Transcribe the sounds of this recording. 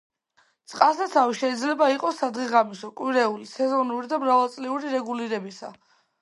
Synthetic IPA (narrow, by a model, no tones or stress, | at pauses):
t̪sʼqʼasat̪sʰaviʃɛid̪zlɛbaiqʼɔsːad̪ʁiʁamisɔkʼwiɾɛulisɛzɔnuɾid̪amɾavalˠt̪sʼliuɾiɾɛɡuliɾɛbisa̰